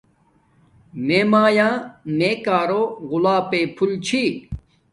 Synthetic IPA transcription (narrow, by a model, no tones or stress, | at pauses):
meːmaːjãːmeːkaːɾoːɣʊlaːpeːpʰult͡ɕʰi